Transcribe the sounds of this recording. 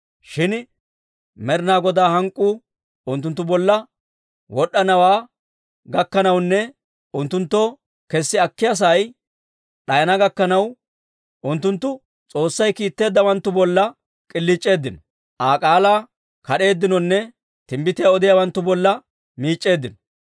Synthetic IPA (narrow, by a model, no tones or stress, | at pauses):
ʃɪn | mɛɾnaːɡɔd̪aːhɐŋkʼːu | ʊnt̪ːʊnt̪ːʊbɔlːɐ | wɔɗːɐnɐwaː | ɡɐkːɐnɐwnːɛ | ʊnt̪ːʊnt̪ːɔ | kɛsːɪɐkːɪjas̬ɐj | ɗɐjɐnɐɡɐkːɐnɐw | ʊnt̪ːʊnt̪ːʊ | t͡sʼo̞ːsːɐjkiːt̪ːe̞ːd̪ːɐwɐnt̪ːʊbɔlːɐ | kʼɪlːiːt͡ʃʼːe̞ːd̪ːɪnɔ | ʔaːkʼaːlaː | kɐɗe̞ːd̪ːɪnɔnːɛ | t̪ɪmbɪt̪ɪjaɔd̪ɪjawɐnt̪ːʊbɔlːɐ | miːt͡ʃʼːe̞ːd̪ːɪnɔ